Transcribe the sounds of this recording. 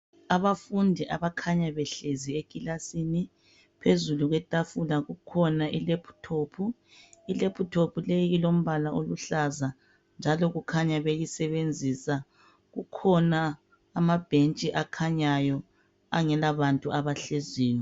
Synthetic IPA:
aβafundʱiʔaβakʰaɲaβɛɬeziekʼilasini | pʰezuluɣwɛtʼafulaɣukʰɔnaʔilepʰu̥tʰopʰu | ilepʰutʰopʰulejiilom̩βalaʔoluɬaza | nd͡ʒʱalɔɣukʰaɲaβejisɛβend͡zʱisa | ɣukʰɔnaː | mab̥ʱent͡ʃʼiʔakʰaɲajɔ | a̰ŋɛlaβantʼuaβaɬeziːjɔ

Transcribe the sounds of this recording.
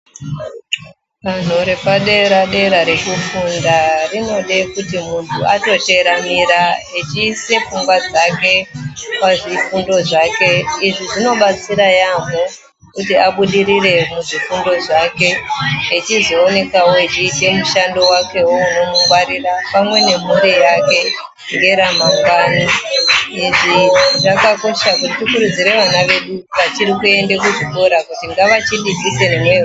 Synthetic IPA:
ʋan̤uɾe̞paɗe̞ɾaɗe̞ɾaɾe̞kufundarino̞ɗe̞kutimuntʰuato̞te̞ɾamiɾaet͡ʃiːse̞fuŋɡwad͡zake̞paʐifundo̞ʐake̞iʐiʐino̞ɓat͡siɾajamo | kutiaɓuɗiɾire̞muʐifundo̞ʐake̞et͡ʃizo̞ːne̞kawoit͡ʃiːte̞muʃando̞wake̞wouno̞muŋɡwaɾirapamwe̞ne̞muɾijake̞ | ŋɡe̞ɾam̤akwani | iʐiʐakakoʃakutitikuɾud͡ziɾe̞ʋanaʋe̞ɗuʋat͡ʃiɾikue̞ndekuʐikoɾakutiŋɡaʋat͡ʃinɗikisenemwee

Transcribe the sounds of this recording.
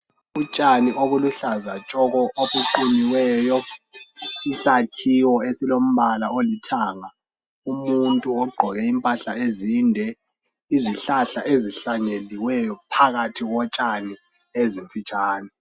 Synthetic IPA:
ut͡ʃʼaniʔoβuluɬazat͡ʃʼɔɣɔʔoɓuǃuniwɛːjɔ | isakʰiwɔesilom̩βalaolitʰaŋa | umuntʼuɔɡ͡ǃʱɔɣɛimpʼaɬaezindʱɛ | iziɬaɬa̰ʔeziɬaɲeliwɛjɔpʰaɣatʰiɣɔt͡ʃʼani | eziɱfit͡ʃʼaːnɛ

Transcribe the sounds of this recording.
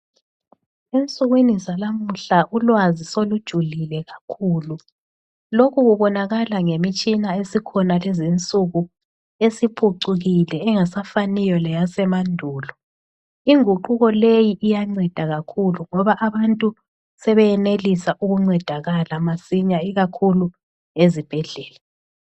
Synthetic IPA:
ent͡sʼuɣwinisalamuɬaʔulwazisolud̥ʒ̥ʱulilɛɣakʰuːlu | lokʰuɣuβɔnaɣalaŋemit͡ʃʼinaesikʰɔnalɛzint͡sʼuɣu | esipʰuǀuɣilɛːŋasafanijɔlɛjasɛmandʱuːlɔ | iŋuǃuɣɔlejiʔijaŋ͡ǀɛd̥ʱaɣakʰuluŋɔβaʔaβantʼu | sɛβɛjɛnelisaʔuɣuŋ͡ǀɛd̥ʱaɣalamasiɲaiɣakʰulu | ezib̥ʱɛɮɛːla

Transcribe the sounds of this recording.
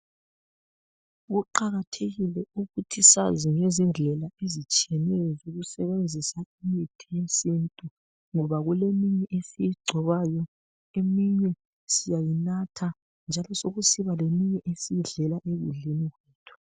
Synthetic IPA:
ɣuǃaɣatʰeɣilɛuɣutʰisa̰ziŋezind͡ɮʱɛlaezit͡ʃʼiɛnɛjɔzoɣusɛβend͡zʱisaimitʰijesintʼu | ŋɔβaɣulemiɲɛʔesijiɡ͡ǀʱɔβaːjɔ | emiɲɛ | sijajinatʰa | nd͡ʒʱalɔsoɣusiβalemiɲɛʔesijiɮɛlaʔeɣṵɮiniɣwɛːtʰu̥

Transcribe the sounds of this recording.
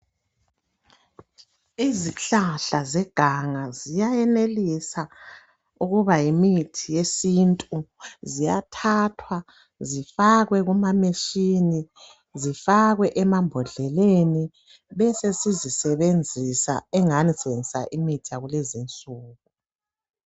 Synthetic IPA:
iziɬaɬazɛɡ̥ʱaŋazijajɛnelisa | uɣuβajimitʰijesintʼuzijatʰatʰwa | zifaɣwɛɣumameʃini | zifaɣwɛʔɛmambʱɔɮɛleni | βɛsesizisɛβend͡zʱisa̰ɛŋanisɛβend͡zʱisa̰ʔimitʰiaɣulezint͡sʼuːɣu

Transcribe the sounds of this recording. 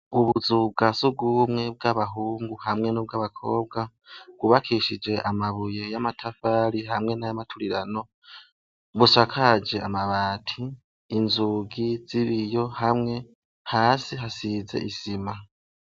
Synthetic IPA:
uβuzubɡasub̚ɡumŋe̞b̚ɡaβaɦuːŋɡuhamŋe̞nub̚ɡaβakʰo̞ːb̚ɡa | ɡ̥uβakʰiʃid͡ʒe̞ʔamaβuje̞jamatʰafaːɾiɦamŋe̞najamatʰuɾiɾano̞ | βusakʰad͡ʒe̞amaβaːtʰiː | nzuɡiz̥iβijo̞hamŋe̞ | haːsiɦasize̞̰ʔisima

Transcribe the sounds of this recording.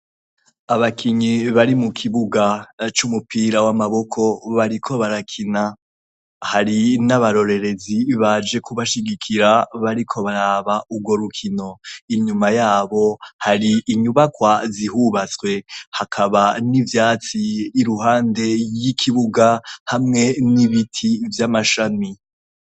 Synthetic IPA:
aβakʰiɲiβaɾimukʰiβuɡat͡ʃumupiːɾawamaβo̞kʰo̞βaɾikʰo̞βaɾakʰina | haɾinaβaɾo̞ɾe̞ɾe̞ziβad͡ʒe̞kuβaʃiɡikʰiɾaβaɾikʰo̞βaɾaːβauɡwo̞ɾukʰino̞iɲumajaːβo̞haɾiːɲuβakwazihuβat͡swe̞hakʰaβanivjaːt͡siːɾuɦaːnde̞jikʰiβuɡahamŋe̞niβitʰivjamaʃami

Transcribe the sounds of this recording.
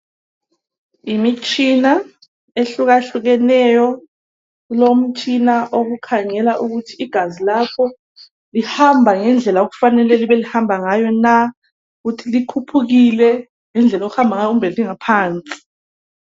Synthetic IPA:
imit͡ʃʰʼina | eɬuɣaɬuɣɛnɛjɔ | ulom̩t͡ʃʼinaʔoɣukʰaŋɛlaʔuɣutʰiːɡ̥ʱazilapʰɔ | lihambʱaŋɛnd͡ɮʱɛlaoɣu̥fanɛlɛliβɛlihambʱaŋajɔna | uɣutʰilikʰupʰuɣilɛ | ŋɛnd͡ɮʱɛloɣuhambʱaŋajɔumbʱɛliŋapʰaːnt͡sʼi̥

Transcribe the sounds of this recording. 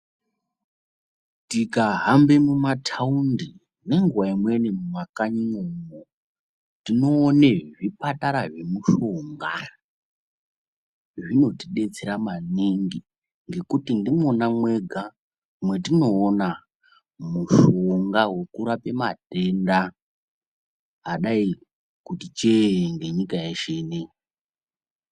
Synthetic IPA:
tikaɦambe̞mumatʰaundi | ne̞ŋɡuwaimwe̞nemumakaɲiŋomo | tino̞ːneʐipataɾaʐemuʃoŋɡa | ʐino̞tiɗe̞t͡seɾamaniŋɡi | ŋɡe̞kutindimonamwe̞ɡʱa | mwe̞tino̞ːna | muʃoo̞ŋɡawe̞kuɾape̞ma̰te̞nda | ɗai | kutit͡ʃeŋɡe̞ɲikajeʃene

